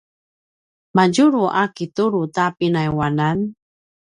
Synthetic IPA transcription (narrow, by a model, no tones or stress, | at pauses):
maɟuɾuʔakituɾutapinajwanan